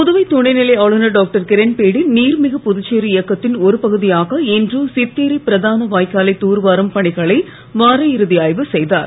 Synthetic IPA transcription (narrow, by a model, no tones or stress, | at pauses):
pʊðɯʋɐɪt̪ɔɳɐɪnɪlɐɪaːɭɯnɐɖoːk̚ʈɐɾkɪɾɛnpeːɽɪlniːɾmɪɣɐpʊðʊt͡ʃːeːɾɯɪjɐkːɐt̪ːɪnɔɾɯpɐɣɯðɪjaːɣɐɛndrɯsɪt̪ːeːɾipɪɾɐðaːnɐʋaːjkːaːlɐɪt̪ːuːɾʋaːɾɐmpɐɳɪɣɐɭɐɪ | ʋaːɾɐɪɾɯðɪjaːjʋɯsɛjðaːɾ